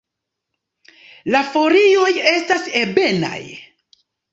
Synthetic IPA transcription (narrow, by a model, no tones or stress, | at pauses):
lafo̞ɾio̞je̞stase̞be̞na̰j